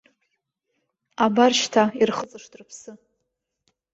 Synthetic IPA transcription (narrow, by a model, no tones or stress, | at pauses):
abarʃtʰairχət͡sʼɨʂtʼrpʰsɨ